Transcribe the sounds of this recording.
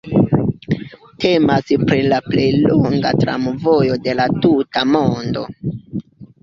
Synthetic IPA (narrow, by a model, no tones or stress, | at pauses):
te̞maspɾilaple̞jloŋɡatɾa̰mvo̞jo̞de̞latutamondo̞̰